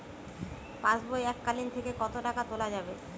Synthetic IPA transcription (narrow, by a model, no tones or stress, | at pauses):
pãt͡ɕbojɛkːalint̪ʰekekɔt̪oʈakat̪olad͡ʑabe